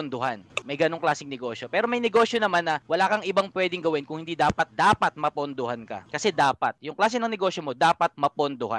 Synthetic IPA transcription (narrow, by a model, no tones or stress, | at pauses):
ond̪ohanmɐjɡɐnoŋklaːsɪŋnɛɡo̞ːʃjo̞pɛːɾomɐjnɛɡo̞ːʃjonɐmanːɐwɐlaːkɐŋʔɪbaŋpʊwɛːd̪ɪŋɡɐwɛnkʊŋhɪnd̪id̪aːpɐt̪̚d̪aːpɐt̪̚mɐpond̪ohankɐ̰kɐsɛd̪aːpɐt̪̚jʊŋklaːsɛnɐŋnɛɡo̞ːsjomo̞d̪aːpɐt̪̚mɐpond̪oha̰n